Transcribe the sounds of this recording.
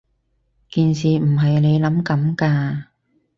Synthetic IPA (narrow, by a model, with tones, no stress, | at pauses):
kiː˨nsiː˨˩m̩˨˩ɦɐ˨jne˨˧jlɐ˨˥mkɐ˨˥mkaː˧